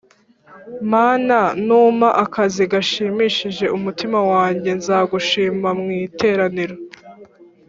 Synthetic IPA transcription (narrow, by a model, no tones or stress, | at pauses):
maːnanuːmaʔakʰaziɡaʃiːmiːʃiʒe̞ʔumutimawaːɲɟe̞nzaːɡuʃiːmamŋiːtʰe̞ːɾaniɾo